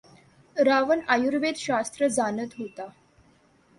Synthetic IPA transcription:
ɾaʋənajuɾʋed̪ɕast̪ɾəd͡zanət̪ɦot̪a

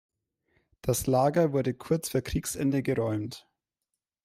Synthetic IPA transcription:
d̥aslaːɡɐvʊɐdəkʰʊɐt͡sfuːɐkʁ̥iːksʔɛ̰ndəɡəʁɔʏmt

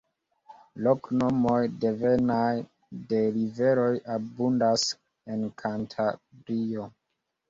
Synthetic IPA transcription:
lokno̞mo̞jde̞venaj | de̞live̞ɾo̞jabundas | e̞nkʰantʰabɾio

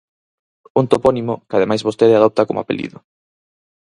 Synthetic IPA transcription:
unt̪opɔnimokað̞emajzβost̪eɾeaðɔp̚t̪akomoa̰pelḭðʊ

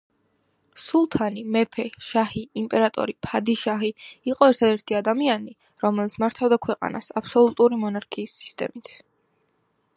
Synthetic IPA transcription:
sulˠt̪ʰanimɛpʰɛʃahiːmpʼɛɾat̪ʼɔ̰ɾipʰad̪iʃaɦiiqʼɔɛɾt̪ʰad̪ɛɾt̪ʰiad̪amiani | ɾɔmɛlit̪sʰmaɾt̪ʰavd̪akʰwɛqʼa̰na̰sapʰsɔlˠut̪ʼuɾimɔnaɾkʰiːsːi̥st̪ʼɛ̰mit̪ʰ

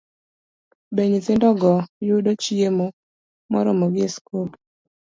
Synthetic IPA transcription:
beɲitɪndɔɡɔjʊdot͡ʃiemo | mɔ̰ɾɔmoɡɪeskop

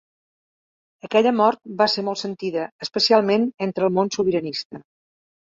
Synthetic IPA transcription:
əkɛʎəmɔɾt̪̚baseɾmɔlˠtsənt̪iðəəspəsialˠmenent̪ɾəːlˠmonsuβiɾənist̪ə

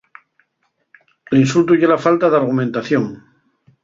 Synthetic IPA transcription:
linsult̪uʝelafalt̪aðaɾɣ̞umẽnt̪aθjo̞ŋ

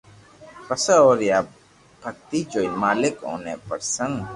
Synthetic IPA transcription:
pɐsəoːɾjaː | bʱɐk̚t̪id͡ʒoːilmaːlɪkɦo̰ːnepəɾsə̃ŋɡ

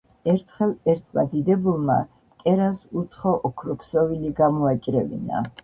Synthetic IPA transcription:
ɛɾt̪ʰχɛlɛɾt̪ʰmad̪id̪ɛbulˠma̰ | kʼɛɾasut̪sʰχɔʔɔkʰɾɔkʰsɔviliɡamɔat͡ʃʼɾɛvḭna̰

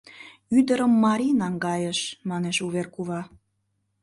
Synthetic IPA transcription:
yd̪əɾə̆mːɑɾʲinɑŋɡɑjəʃmɑneʃuβerkuβɑ

